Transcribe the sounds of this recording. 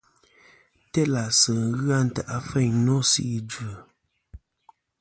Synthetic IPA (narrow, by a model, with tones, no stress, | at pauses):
tɛ˦la˨sə˨ɣa˦n̩˨ta˨ʔa˨fɛ˦˨ɲno˦sḭ˦ʔi˨d͡ʒə˨